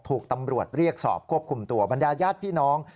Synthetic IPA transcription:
t̪ʰuː˨˩k̚t̪a˧mɾu˨˩ət̪̚ɾi˥˩ək̚sɔ̰ː˨˩p̚kʰu˥˩əp̚kʰu˧mt̪u˧ɐba˧ndaː˧jaː˥˩t̪̚pʰiː˥˩nɔː˦˥ŋ

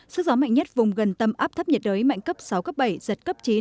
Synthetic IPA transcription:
sɨ˦˥k̚zɔː˨˦ma̰˧˨jŋ̟ɲə˦˥t̚vʊ˨˩ŋ͡mɣə˨˩nt̪ə˨˧˩mʔaː˦˥p̚t̪ʰə˦˥p̚ɲə˨˩t̚ɗəː˨˦jma̰˧˨jŋ̟kə˦˥p̚sa˨˦wkə˦˥p̚ɓa˧˩jzə˨˩t̚kə˦˥p̚t͡ɕi˨˦n

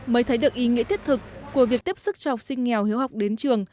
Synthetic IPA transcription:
məː˨˦jt̪ʰə˨˦jɗɨ˨˩k̚ʔi˨˦ŋḭ˧˥t̪i˦˥ət̪ʰɨ˨˩k̚ːu˧˩əvi˨˩ək̚t̪i˦˥p̚sɨ˦˥k̚t͡ɕɔ˧hwk͡p̚sï˧ŋ̟ŋɛ˨˩whi˨˦əwɦa˨˩wk͡p̚ɗe˨˦nt͡ɕɨ˨˩əŋ

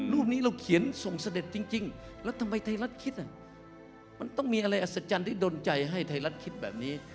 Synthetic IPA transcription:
ɾuː˥˩p̚niː˦˥ɾa˧wkʰi˨˩˦ənso˨˩ŋsa˧de˨˩t̪̚t͡ɕi˧ŋt͡ɕi˧ŋlɛː˦˥wt̪ʰa˧mːa˧jt̪ʰa˧jla˦˥t̪̚kʰi˦˥t̪̚ʔa˨˩ | ma˧nt̪ɔ˥˩ŋmiː˧ʔa˧ɾa˧jʔa˨˩sa˧˩t͡ɕa˧nt̪ʰiː˥˩doː˧nt͡ɕa˧jɦa˥˩jt̪ʰa˧jɾa˦˥t̪̚kʰi˦˥t̪̚bɛː˨˩p̚niː˦˥

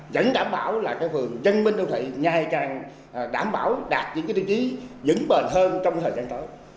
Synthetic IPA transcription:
zə̰˧˥nɗaː˧˩mɓaː˧˩wlaː˨˩kaː˨˦jfɨ˨˩əŋzə˧nmï˧ŋɗə˧wt̪ʰḭ˧˨jŋa˨˩jkaː˨˩ŋ˨˩ | ɗaː˧˩mɓa̰ː˧˩wɗaː˨˩t̚t͡ɕɨ̰˧˥kaː˨˦t̪i˧˩t͡ɕi˨˦zɨ̰˧˥ŋɓe˨˩nɦəː˧nt͡ɕɔ˧wŋ͡mt̪ʰəː˨˩jzaː˧nt̪əː˨˦j

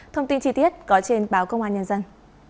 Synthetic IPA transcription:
t̪ʰə˧wŋ͡mt̪i˧nt͡ɕi˧t̪i˦˥ət̚kɔ˨˦t͡ɕe˧nɓaː˨˦wkə˧wŋ͡mʔaː˧˩ɲə˧nzə˧n

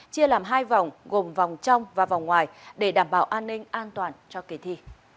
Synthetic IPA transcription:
t͡ɕi˧əlaː˨˩mɦaː˧jva˨˩wŋ͡mɣo˨˩mva˨˩wŋ͡mt͡ɕa˧wŋ͡mvaː˨˩va˨˩wŋ͡mŋwaː˨˩jɗe˧˩ɗaː˧˩mɓaː˧˩wʔaː˧nːï˧ŋ̟ʔaː˧nt̪waː˨˩nt͡ɕɔ˧ke˨˩t̪ʰi˧

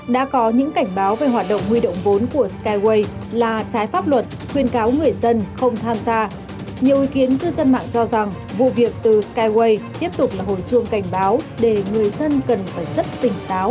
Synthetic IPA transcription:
ɗa̰ː˧˥kɔ˨˦ɲɨ̰˧˥ŋka˧˩jŋ̟ɓaː˨˦wve˨˩ɦwaː˨˩t̚ɗə̰˧˨wŋ͡mhwi˧ɗo̰˧˨wŋ͡mvo˨˦nku˧˩əskaː˧jwe˧jlaː˨˩t͡ɕaː˨˦jfaː˦˥p̚lwə˨˩t̚ | xwi˧ənkaː˨˦wŋɨ˨˩əjzə˧nxə˧wŋ͡mt̪ʰaː˧mzaː˧ | ɲi˨˩əwʔi˨˦ki˨˦ənkɨ˧zə˧nma̰ː˧˨ŋt͡ɕɔ˧za˨˩ŋ | vṵ˧˨vi˨˩ək̚t̪ɨ˨˩skaː˧jwe˧jt̪i˦˥əp̚t̪ʊ˨˩k͡p̚laː˨˩ɦo̰˧˨jt͡ɕɨ˧˩əŋka˧˩jŋ̟ɓaː˨˦wɗe˧˩ŋɨ˨˩əjzə˧nkə˨˩nfaː˧˩jzə˦˥t̚t̪ï˨˩ŋ̟t̪aː˨˦w

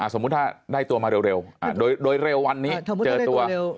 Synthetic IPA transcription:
ʔaː˨˩so˧˦mu˧˦˥t̚aː˧˩ɗa˧˩jt̪u˨˩əmaː˨˩ɾe˨˩wɾe˨˩wʔaː˨˩ɗo˧jɗoː˧jɾe˨˩wwa˧nːi˧˦˧t͡ɕəː˨˩u˧˩ə

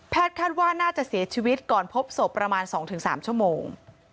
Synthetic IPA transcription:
pʰɛː˥˩t̪̚kʰaː˥˩t̪̚waː˥˩naː˥˩t͡ɕa˨˩ʔsi˨˩˦ɐt͡ɕʰiː˧wi˦˥t̪̚kɔː˨˩npʰo˦˥p̚so˨˩pːɾa˧maː˧nsɔː˩˦ŋt̪ʰɯ˩˦ŋsa̰ː˩˦mt͡ɕʰu˥˩əmoː˧ŋ

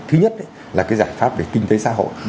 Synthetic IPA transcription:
t̪ʰɨ˨˦ɲə˦˥t̚ʔə˨˦j | laː˨˩kaː˨˦jzaː˧˩jfaː˦˥p̚ve˨˩kï˧ŋ̟t̪e˨˦sa̰ː˧ɦo̰˧˨j

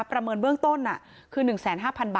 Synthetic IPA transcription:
pːɾa˧mɤː˧nbɯ˥˩əŋt̪o˥˩nʔa˨˩ʔ | kʰɯː˧nɯ˨˩ŋsɛː˩˦nɦaː˥˩pʰa˧nbaː˨

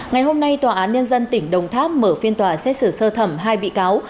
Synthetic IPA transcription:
ŋa˨˩jɦo˧mna˧jt̪waː˨˩ʔaː˨˦nɲə˧nzə˧nt̪ï˧˩ŋ̟ɗə˨˩wŋ͡mt̪ʰaː˦˥p̚məː˧˩fi˧ənt̪waː˨˩sɛ˦˥t̚sɨ˧˩səː˧t̪ʰə˧˩mɦaː˧jɓḭ˧˨kaː˨˦w

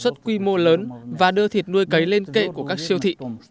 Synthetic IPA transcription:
swə˦˥t̚kwi˧mo˧ləː˨˦nvaː˨˩ɗɨ˧ət̪ʰi˨˩t̚nu˧əjkə˨˦jle˧nkḛ˧˨ku˧˩əkaː˦˥k̚si˧əwt̪ʰḭ˧˨

